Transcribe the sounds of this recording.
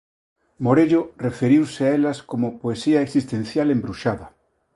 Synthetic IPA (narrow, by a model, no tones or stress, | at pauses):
moɾeʎorefeɾiwseaelaskomopoesiaeksist̪ẽn̟θjalembɾuʃaða